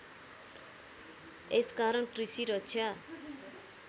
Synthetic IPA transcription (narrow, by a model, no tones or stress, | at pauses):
eskaɾʌnkrisiɾʌt͡sʰʌ